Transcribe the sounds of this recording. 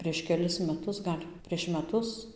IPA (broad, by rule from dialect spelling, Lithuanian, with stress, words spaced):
pʲrʲiɛʃ kʲɛˈlʲɪs mʲɛˈtʊs ˈɡɐlʲ pʲrʲiɛʃ mʲɛˈtʊs